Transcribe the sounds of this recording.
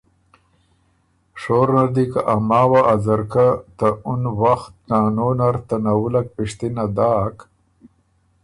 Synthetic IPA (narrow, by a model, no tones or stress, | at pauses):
ʂoːɾnad̪ikaʔamaːwaʔːzaɾkat̪aunwaxt̪̚naːnonaɾt̪anawulak̚piʂt̪inad̪aːk